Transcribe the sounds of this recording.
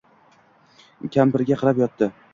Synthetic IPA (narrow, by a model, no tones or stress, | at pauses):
kʲʰampɪɾɡʲaqʰɨɾapjɒt̪ːɪ